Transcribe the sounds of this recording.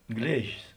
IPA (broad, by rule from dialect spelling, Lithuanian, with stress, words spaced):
ˈɡlʲeːʒʲɪs